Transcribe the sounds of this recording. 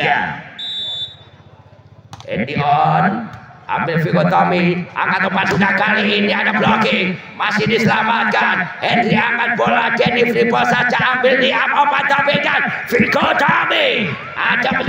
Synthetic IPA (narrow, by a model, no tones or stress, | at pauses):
a̰ | ɛ̰ndiɔnʔa̰mbɪlfikɔt̪ɔmia̰ŋat̪ləpat̪̚sunakaliːniadablɔkemasɪdisəlamat̪̚kanɛnd̪ɾiaŋat̪̚bɔlaɡɛnifɾibɔsad͡ʒaʔambɪlniʔamɔpat̪ɔmikanfikot̪ami | ad͡ʒamə